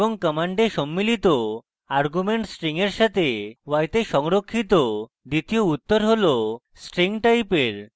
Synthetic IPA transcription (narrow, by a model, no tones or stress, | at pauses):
ɔŋkəmaɳɖeʃɔmːilit̪o | aɾɡumeɳʈsʈɾiŋeɾʃat̪ewajt̪eʃɔŋɾokʰːit̪o | d̪it̪ijout̪ːoɾɦolo | sʈɾiŋʈajpeɾ